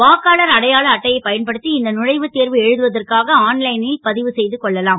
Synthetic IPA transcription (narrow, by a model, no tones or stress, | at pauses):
ʋaːkaːɭɐɾɐɽɐjaːɭɐːʈːɐjɐɪpːɐjɐnpɐɽɯt̪ːiɪnd̪ɐnʊɻɐɪʋɯt̪ːeːɾʋɯɛɻɯðɯʋɐðɐrkaːɣɐaːnlɐɪnɪlpɐðɪʋɯsɛjðɯkɔɭːɐlaːm